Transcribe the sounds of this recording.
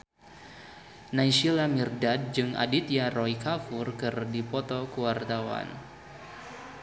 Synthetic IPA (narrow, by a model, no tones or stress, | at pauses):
najʃilamirdad̚d͡ʒɨŋa̰dit̪jarɔjkafurkɨrdipɔt̪ɔkuwart̪awa̰n